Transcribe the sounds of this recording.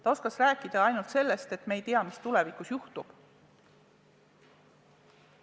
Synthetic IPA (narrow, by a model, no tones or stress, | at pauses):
t̪ɑo̞skɑsræːkˑːid̪̥ɑɑjnult̪se̞lːe̞st̪e̞t̪me̞jt̪eɑmist̪ule̞vikˑusjuht̪ub̥